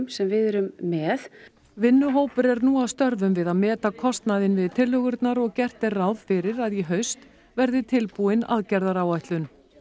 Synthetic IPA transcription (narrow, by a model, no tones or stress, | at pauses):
msɛmvɪðɛɾʏmːɛːð | vɪnːʏɦoːwpʏɾɛɾnuːawst̪œɾvʏmvɪðaðmɛːt̪akʰɔst̪naðɪnvɪðt̪ʰɪlhœɣʏɾt̪naɾɔɣcɛr̥t̪ɪrrawðfɪɾɪɾaðjiɦœɥst̪ | vɛɾðɪt̪ʰɪlpuɪna̰ðcɛɾðaɾaːwajht̪lʏn